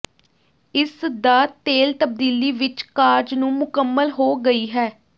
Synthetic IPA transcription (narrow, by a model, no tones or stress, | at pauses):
ɪsd̪aːt̪eːlt̪əb̚d̪iːliːʋɪt͡ʃkaːɾd͡ʒnũːmʊkəmːəlɦoːɡəiːɦɛː